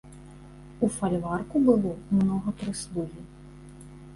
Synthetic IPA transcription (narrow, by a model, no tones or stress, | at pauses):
ufalʲvarkubɨlˠɔmnɔɣɐpɾɨsluɣʲi